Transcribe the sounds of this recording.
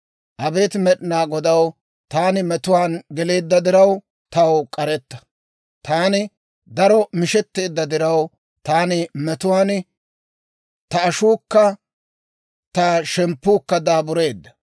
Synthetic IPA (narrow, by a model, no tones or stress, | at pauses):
ʔɐbe̞ːt̪mɛɗɪnaːɡɔd̪ɐw | t̪aːnɪmɛt̪ʊwaːnɡɛle̞ːd̪ːɐd̪ɪɾɐw | t̪ɐwkʼɐɾɛt̪ːɐ̥ | t̪aːnɪ | d̪ɐɾɔmɪʃɛt̪ːe̞ːd̪ːɐd̪ɪɾɐw | t̪aːnɪmɛt̪ʊwaːn | t̪ɐːʃuːkːɐ | t̪ɐʃɛmpːuːkːɐd̪aːbʊɾe̞ːd̪ːɐ̥